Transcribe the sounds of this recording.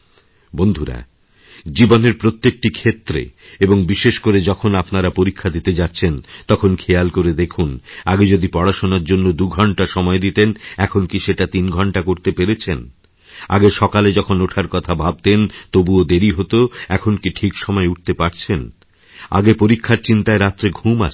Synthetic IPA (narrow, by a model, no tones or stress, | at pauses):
bond̪ʱuɾa̰ | d͡ʑiboneɾpɾot̪ːek̚ʈikʰet̪ːɾḛeboŋbiʃeʃkoɾed͡ʑɔkʰonapnaɾapoɾikʰːad̪it̪ed͡ʑat̪ːɕʰent̪ɔkʰonkʰejalkoɾed̪ekʰunaɡed͡ʑod̪ipɔɽaʃonaɾd͡ʑonːod̪uɡʱɔɳʈaʃɔmɔed̪it̪enɛkʰonkiʃeʈat̪inɡʱɔɳʈakoɾt̪epeɾet͡ɕʰen | a̰ɡeʃɔkaled͡ʑɔkʰonoʈʰaɾkɔt̪ʰabʱab̚t̪ent̪obuod̪eɾiɦot̪oɛkʰonkiʈʰikʃɔmɔeuʈ̚t̪epaɾt͡ɕʰen | a̰ɡepoɾikʰːaɾt͡ɕint̪aeɾat̪ːɾeɡʱuma̰t͡ɕʰ